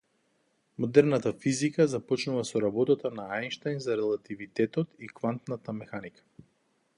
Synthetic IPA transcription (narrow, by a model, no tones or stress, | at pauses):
mod̪ɛɾnat̪afizikazapɔt͡ʃnuvasɔɾabɔt̪at̪anaajnʃt̪ajnzaɾɛlˠat̪ivit̪ɛt̪ɔt̪ikvant̪nat̪amɛxanikʰḁ